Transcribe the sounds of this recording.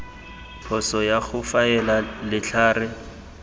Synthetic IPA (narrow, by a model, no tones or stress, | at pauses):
pʰɔsɔjaɣʊfaɛlalɪt͡ɬʰaːrɪ